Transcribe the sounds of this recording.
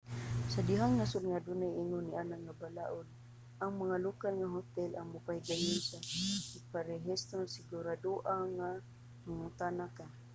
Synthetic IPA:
sadiɦaŋnasʊdŋadʊnajiŋʊniʔanaʔŋabalaʔʊl | ʔaŋmaŋalokalŋaɦot̪ɛlaŋmʊpahiɡajʊnsaɪpaɾeɦist̪ɾonsɪɡʊɾaduʔaŋa | maŋʊt̪anaka

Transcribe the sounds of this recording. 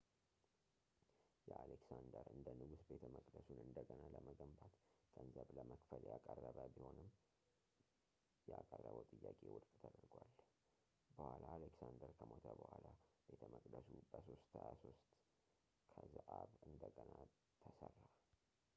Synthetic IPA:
jɛaleksand̪əɾɨnd̪ənɨɡusbe̞t̪ʰəməkʼd̪əsunɨnd̪əɡənaləməɡəmbat̪ɡ̥ʼənzəβləməkfəljakʼərːəβəbiho̞nɨmː | jɛakʼərːəβəwt̪ʼɨjːakʼewʊd̪bʼt̪ʰəd̪əɾɡwal | bəhʷalaːleksand̪əɾkʰəmot̪ʰəbəhʷwalabet̪ʰəməkʼd̪əsubəso̞st̪hʰəjaso̞st̪ | kʰəzɨʔaβɨnd̪əɡəna | t̪ʰəsərːa

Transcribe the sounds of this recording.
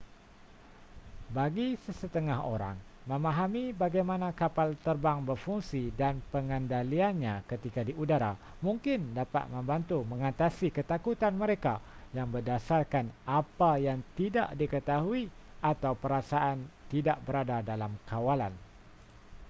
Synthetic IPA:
baɡisəsət̪əŋaɦo̰ɾa̰ŋmə̃mãɦamibaɡajmãnãkapalt̪ərbaŋbərfuŋsidanpəŋəndalianɲãkət̪ikadiʔudaɾa | mũŋkɪndapa̰t̪̚mə̃mbant̪umə̃ŋat̪asikət̪akut̪anməɾekajaŋbərdasarkanapajaŋt̪ida̰ʔdikət̪aɦuiʔat̪awpəɾasaʔant̪idaʔbəɾadadalamkawala̰n

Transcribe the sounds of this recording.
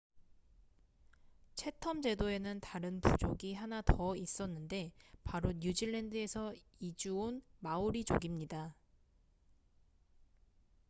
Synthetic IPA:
t͡ɕʰe̞tʰʌmd͡ʑe̞doe̞nɯntaɾɯnpud͡ʑoɡiɦanatʌis͈ʌnːɯnde̞paɾoɲud͡ʑiɭːendɯe̞sʰʌid͡ʑuonmauɾid͡ʑo̰ɡimɲida

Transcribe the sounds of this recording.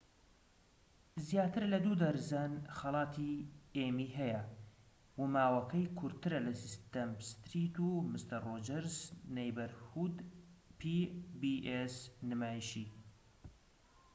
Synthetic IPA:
zjaːt̪ɨɾlɐd̪ud̪ɐɾzanxɐlˠɑːt̪ʰiemiːɦɐjɐ | wumaːwɐkɐjkʰʊɾt̪ɨɾɐlɐsist̪ɐmst̪ɾit̪umɨst̪ɐrrod͡ʒɛɾznejbɐɾhud̪pʰibiʔesnɨmaːjiʃiː

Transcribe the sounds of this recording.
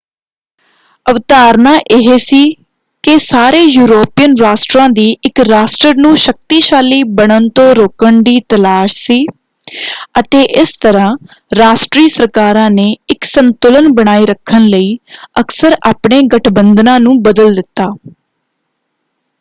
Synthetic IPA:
əʋt̪aːɾnãːʔɪɦeːsiː | kɪsaːɾeːjuːɾoːpijənɾaːsʈɾãːd̪iːɪkɾaːsʈəɾnũːʃək̚t̪iːʃaːliːbəɳənt̪õːɾoːkəɳd̪iːt̪əlaːʃsiː | ət̪eːʔɪst̪əɾãː | ɾaːsʈɾiːsəɾkaːɾãːneːɪksənt̪ʊlənbəɽ̃aːiːɾəkʰːənləiːəksəɾaːpɳeːɡəʈʰbənd̪nãːnũːbəd̪əld̪ɪt̪ːaː

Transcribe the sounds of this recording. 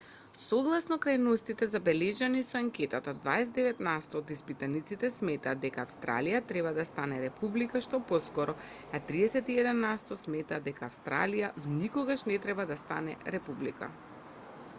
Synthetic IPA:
soɡlˠasnɔkɾajnost̪it̪ɛzabɛlɛʒanisɔaŋkɛt̪at̪ad̪vaɛsɛd̪ɛvɛt̪nast̪ɔːd̪ispit̪anit̪sit̪ɛsmɛt̪aːd̪ːɛkaːfst̪ɾa̰lijat̪ɾɛβad̪ast̪anɛɾɛpublikaʃt̪ɔpɔskɔɾɔat̪ɾiɛsɛt̪iɛd̪ɛnːast̪ɔsmɛt̪aːd̪ɛkaːfst̪ɾa̰lijanikɔɡaʃnɛt̪ɾɛbad̪ast̪a̰nɛ̰ɾɛpublḭka̰

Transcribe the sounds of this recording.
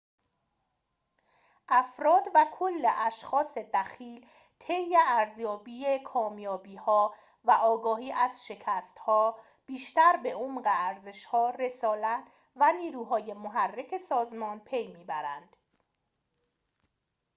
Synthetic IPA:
ʔæfɾɒːd̪vækʰolːeʔæʃxɒːse̞d̪æxiːl | t̪ʰe̞jeæɾzjɒːbiːekʰɒːmjɒːbiːhɒː | væʔɒːɡɒːhiːʔæz̥ʃe̞cʰæst̪hɒː | b̥iːʃt̪æɾbe̞omɢeæɾze̞ʃhɒːɾe̞sɒːlæt̪ʰ | væniːɾuːɦɒːje̞moɦærːekʰe̞sɒːzmɒːnpʰe̞jmiːbæɾænd̪̥

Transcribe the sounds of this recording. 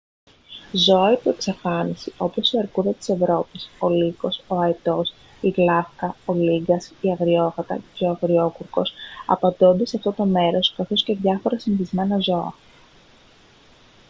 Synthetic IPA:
zo̞ɐip̪ue̞ksɐfɐnisiʔo̞po̞siɐɾkuðɐt̪ise̞vɾo̞piso̞liko̞so̞ɐet̪o̞s | iɣlɐfkɐoliɡɐsiɐɣɾio̞ɣɐt̪ɐ̰eɐɣɾio̞kuɾko̞sɐ̰pɐnd̪ond̪ɐseɐft̪o̞t̪o̞me̞ɾo̞skɐθo̞sce̞ðʝɐfo̞ɾɐsiniθizme̞nɐzo̞ɐ̰

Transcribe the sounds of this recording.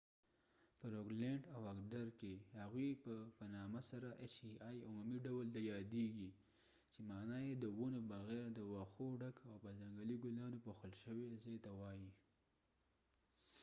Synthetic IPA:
pəɾokleɳɖawakɖaɾkehaɣwipəpanɑmasaɾaʔet͡ʃiɑjʊmumiɖawəlt̪ajɑd̪eɡi | t͡ʃemɑnɑjed̪əwunobaɣeɾd̪əwɑxoɖakawpəzaŋɡaliɡʊlɑnopoxəlʃəwezejt̪awɑji

